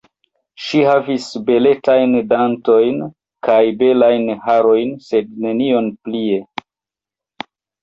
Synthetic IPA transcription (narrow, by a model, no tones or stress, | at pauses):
ʃihavisbe̞le̞tajndanto̞jn | kajbe̞lajnhaɾo̞jnse̞d̚ne̞nio̞nplie̞